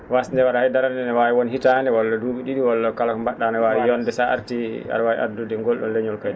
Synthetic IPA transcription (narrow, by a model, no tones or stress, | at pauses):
wasndɛwaɾahajdaɾandɛnɛwawɛwonihitanɛwɔlːɔduːɓiɗiɗiwɔlːɔkalakɔmbaɗːanɛwawijɔndɛsaʔa̰ɾtia̰ɾwawḭʔa̰dudɛŋɡɔlɗɔnleɲɔlkajɗ